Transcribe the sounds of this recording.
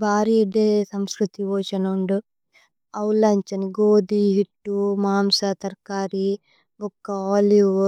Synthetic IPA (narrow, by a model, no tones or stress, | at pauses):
bʱaːɾiːiɖeːsɐmskɾut̪iʋoːt͡ʃɐnuɳɖu | ɐwlɐɲt͡ʃɐniɡoːd̪iɦiʈːumaːmsat̪ɐɾkaːɾi | ɔkːɐaːlju